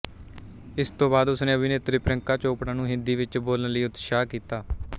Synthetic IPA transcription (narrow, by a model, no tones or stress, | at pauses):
ɪst̪õːbaːd̪ʊsnẽːəbʱineːt̪ɾiːpɾəŋkaːt͡ʃoːpɽãːnũːɦɪ̃nd̪iːʋɪt͡ʃboːlənləiːʊt̪ʃaːkiːt̪aː